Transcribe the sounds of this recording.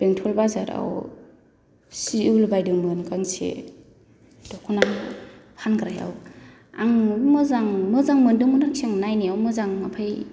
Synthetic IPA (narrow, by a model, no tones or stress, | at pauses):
b̥eŋtʰɔlbazaɾa̰w | siulbajdɯmɯnkʰaŋsḛ | d̥ɔkʰɔnaŋ | hanɡɾaja̰w | aŋmɯzaŋmɯzaŋmɯndɯŋmɯnaksiaŋnajniawmɯzaŋmapʰaj